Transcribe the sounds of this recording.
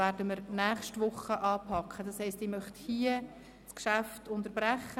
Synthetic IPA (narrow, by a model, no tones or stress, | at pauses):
æːɾdəməɾnæːχʃtʋʊχːəʔɑːpʰɑkχəd̥ɑshɛɪstiːmœχthiə | skʃæftʊntəɾb̥ɾæχːə